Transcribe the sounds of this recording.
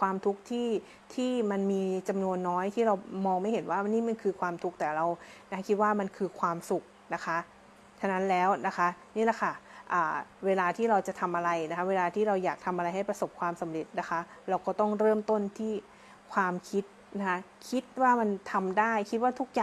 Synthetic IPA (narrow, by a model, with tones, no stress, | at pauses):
kʰwaː˧mt̪ʰu˦˥k̚t̪ʰiː˥˩ | t̪ʰiː˥˩ma˧nmiː˧t͡ɕa˧mnu˧ənːɔː˦˥jt̪ʰiː˥˩ɾa˧wmɔː˧ŋma˥˩jɦe˩˦nwaː˥˩niː˥˩ma˧nkʰɯː˧kʰwaː˧mt̪ʰu˦˥k̚t̪ɛː˨˩ɾa˧wna˦˥kʰi˦˥t̪̚waː˥˩ma˧nkʰɯː˧kʰwaː˧msu˨˩k̚na˦˥kʰa˦˥ʔ | t͡ɕʰa˧na˦˥nlɛː˦˥wna˦˥kʰa˦˥ʔniː˥˩la˨˩kʰa˥˩ʔaː˨˩weː˧laː˧t̪ʰiː˥˩ɾa˧wt͡ɕa˨˩t̪ʰa˧mʔa˧ɾa˧jna˦kʰa˦˥weː˧laː˧t̪ʰiː˥˩ɾa˧wjaː˨˩k̚t̪ʰa˧mʔa˧ɾa˧jɦa˥˩jpɾa˧so˨˩p̚kʰwaː˧msa˩˦mɾe˨˩t̪̚na˦˥kʰa˦˥ɾa˧wkɔː˥˩t̪ɔ˥˩ŋɾɤː˥˩mt̪o˥˩nt̪ʰiː˥˩ | kʰwaː˧mkʰi˦˥t̪̚ | na˦˥kʰa˦˥ | kʰi˦˥t̪̚waː˥˩ma˧nt̪ʰa˧mdaː˥˩jkʰi˦˥t̪̚waː˥˩t̪ʰu˦˥k̚jaː˨˩